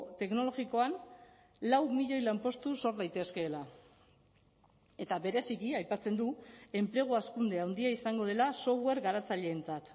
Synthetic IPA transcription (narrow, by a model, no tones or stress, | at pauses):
t̪e̞kno̞lo̞ɣiko̞an | lawmiʎo̞jlampo̞st̪uso̞ɾðajt̪e̞ske̞ːla | e̞t̪aβe̞ɾe̞sikiajpat͡se̞nd̪ue̞mpɾe̞ɣ̞oaskund̪eawnd̪iaisaŋɡo̞ð̞e̞laso̞βwe̞ɾɣaɾat͡saʎe̞ːnt͡sat̪